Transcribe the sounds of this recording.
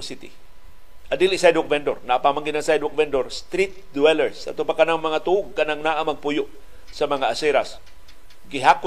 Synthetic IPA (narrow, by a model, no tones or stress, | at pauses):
sit̪ɪ̰ | ʔad̪iliʔsajd̪okvɛnd̪oɾnaʔapamaŋɡɪnaŋsajd̪ʊk̚vɛnd̪oɾst̪ɾit̪̚d̪uɛlɛɹsa̰t̪ʊpakanaŋmɐŋat̪uːɡ̚kanaŋnaʔamɐɡ̚pujʊʔ | sɐmɐŋaʔasɛɾas | ɡɪɦakʊ